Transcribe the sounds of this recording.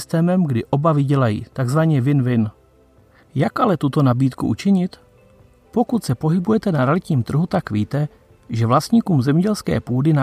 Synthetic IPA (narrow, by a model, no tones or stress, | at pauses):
st̪ɛːmɛmɡdɪʔo̞bavɪɟɛlajḭːt̪aɡzvaɲɛvɪnvɪn | jakʔalɛt̪ut̪o̞nabiːt̪kuʔṵt͡ʃɪɲɪt̪ | po̞kut̪sɛpo̞ɦɪbujɛt̪ɛnaɾɛalɪt̪ɲiːmt̪r̩ɦut̪akviːt̪ɛ | ʒɛvlast̪ɲiːkuːmzɛmɲɛɟɛlskɛ̰ːpuːdɪna